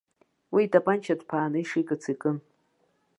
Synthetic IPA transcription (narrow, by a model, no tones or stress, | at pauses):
wiːtʼapʼant͡ʃʰadpʰaːnɨiʂikʼɨt͡sʰikʼɨn